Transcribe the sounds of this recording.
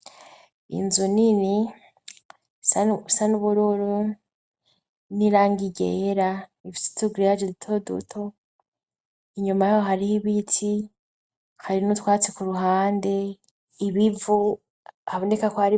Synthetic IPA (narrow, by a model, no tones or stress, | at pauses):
ḭnzunini | sasanuβuɾoɾo | niɾaːŋɡiɟḛɾaiviti̥tuɡuɾijad͡ʒeditʰodṵtʰo | iɲumajajoɦaɾihiβitʰi | haɾinutwaːt͡sekuɾuɦaːnde̞ | iβivu | aβonekakohaɾi